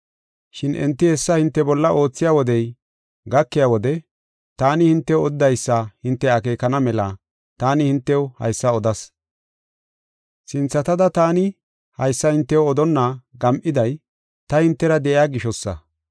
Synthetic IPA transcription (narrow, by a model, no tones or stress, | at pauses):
ʃɪnʔɛ̰nt̪ːɪhɛsːɐhɪnt̪ːɛbɔlːɐʔo̞ːt͡sːɪjaːwɔd̪ɛj | ɡɐkːɪjaːwɔd̪ɛ | t̪aːnɪhɪnt̪ːɛwɔd̪ːɐjsːɐhɪnt̪ːɛɐke̞ːkɐnɐmɛlɐ | t̪aːnɪhɪnt̪ːɛwhɐ̰jsːɐɔd̪ɐs | sɪnt͡sːɐt̪ɐd̪ɐt̪aːnɪ | hɐjsːɐhɪnt̪ːɛwɔd̪ɔnːaɡɐmʔɪd̪ɐj | t̪ɐhɪnt̪ːɛɾɐd̪ɛʔɪjaːɡɪʃɔsːɐ̰